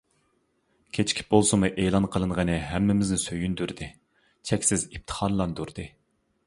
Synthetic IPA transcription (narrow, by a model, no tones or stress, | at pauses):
kʲʰet͡ʃʰkʲʰi̥p̚bolˠsɨmɨʔelˠɑnqʰəlˠɨɴʁənɨɦæmːɪmɪznɪsøjynd̪yɾd̪ɨ | t͡ʃʰɛkʲsɪzip̚t̪ʰə̥χɑnlˠɑnd̪uɾd̪ɨ